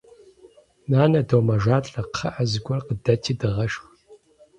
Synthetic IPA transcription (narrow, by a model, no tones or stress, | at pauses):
naːnɐdoːmɐʒaːɬʼɐqχɐʔɐzɨɡʷɔrqədɐtʰiːdɨʁɐʃx